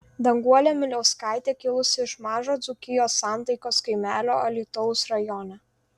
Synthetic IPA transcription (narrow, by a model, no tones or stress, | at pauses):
d̪ɐŋɡuɔlʲɛmʲɪlʲɛʊskɑˑɪt̪ʲeːkʲɪlˠʊsʲɪɪʃmɑːʒoːd̪zʊkʲɪjoːsːɑˑnt̪ɐɪkoːskɐɪmʲæːlʲoːɐlʲiˑt̪ʊʊʊsɾɐjɔnʲɛ